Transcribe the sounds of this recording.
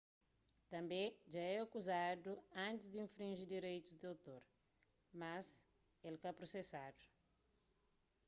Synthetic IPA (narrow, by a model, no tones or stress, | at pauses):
t̪ɐ̃mbẽʒaɛakuzad̪uɐ̃nt̪ɪzd̪iĩfɾĩʒid̪iɾejt̪uzd̪iowt̪oɾ | mɐs | elkapɾosesad̪u̥